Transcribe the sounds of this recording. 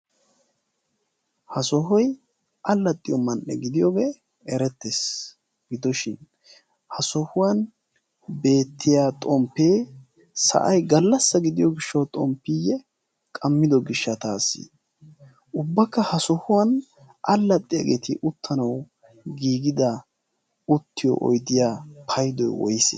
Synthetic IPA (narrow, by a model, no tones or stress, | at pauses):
hɐsɔhɔj | ɐlːɐt̪ʼːɪjɔmɐnːɛ̰ɡɪd̪ɪjoːɡeː | ɛɾɛt̪ːes | ɡɪd̪ɔʃɪn | hɐsɔhʊwɐn | be̞ːt̪ʰːɪjaːt̪ʼɔmpːe̞ː | sɐ̰ʔɐjɡɐlːɐsːɐɡɪd̪ɪjɔɡɪʃːɐwt̪ʼɔmpːijɛ | kʼɐmːɪd̪ɔɡɪʃːɐt̪aːsːḭ | ʔʊbːɐkːɐhɐsɔhʊwɐn | ʔɐlːɐt̪ʼːɪjɐɡet̪ɪʔʊt̪ːɐnɐw | ɡiːɡɪd̪ɐ | ʊt̪ːɪjɔ̰ʔɔ̰jd̪ɪjaːpʰɐjd̪ɔjwɔjɪsɛ̰